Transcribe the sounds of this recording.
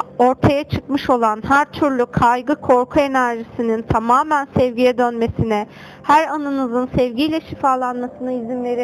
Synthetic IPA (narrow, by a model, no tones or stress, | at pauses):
o̞ɾt̪ʰajat͡ʃʰɯkmɯʃo̞lˠanɦæɾt̪ʰyɾlʲykʰajɡɯkʰo̞ɾkʰue̞næɾʒisinint̪ʰamaːmænsɛvɟijɛd̪ønme̞sinɛ | hæɾanɯnɯzɯnsɛvɟijlʲɛʃifaːlˠanmasɯnɯizimlʲe̞ɾi